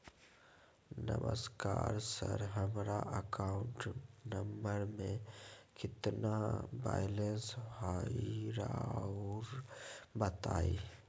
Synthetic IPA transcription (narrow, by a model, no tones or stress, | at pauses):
nə̰məskaːɾsəɾɦəmɾaʔəkaːʊ̃ɳʈnəmbəɾmẽkɪt̪nabaːjlenshaːiɾa | ɾbət̪aːiː